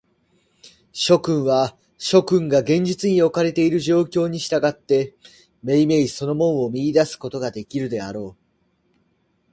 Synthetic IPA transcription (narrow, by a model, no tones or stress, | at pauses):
ɕo̞kɯ̟̃ɰ̃βa | ɕo̞kɯ̟̃ŋɡaɡẽ̞ɲ̟d͡ʑit͡sɨɲ̟io̞kaɾe̞t̪e̞iɾɯ̟ʑo̞ːkʲo̞ːɲ̟iɕi̥t̪aɡat̪ːe̞ | me̞ime̞iso̞no̞mõ̞ɰ̃o̞mʲiid̪asɨ̥ko̞t̪o̞ɡad̪e̞kʲiɾɯ̟d̪e̞aɾo̞ː